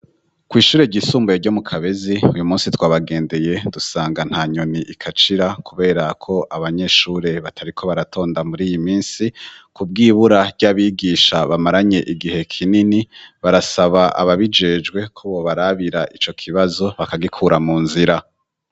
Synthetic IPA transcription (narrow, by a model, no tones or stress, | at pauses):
kwiːʃuːɾeɟisuːmbujeɟo̞ːmukʰaβe̞ziujumuːnsitwaːβaɡe̞ːnde̞je̞dusaːŋɡan̥haɲo̞niʔikʰat͡ʃiɾakʰuβe̞ːɾakʰo̞ʔaβaɲe̞ʃuːɾe̞βatʰaɾikʰo̞βaɾatʰo̞ːndamuɾiːjimiːnsikub̚ɡiːβuɾaɾɟaβiːɡiːʃaβamaɾaɲe̞ʔiɡihe̞kʰininiβaɾasaβaʔa̰βaβid͡ʒe̞ːd͡ʒɡwe̞kʰoβoβaɾaβiɾaʔit͡ʃo̞kʰiβazo̞βakaɡikʰuɾamuːnziɾa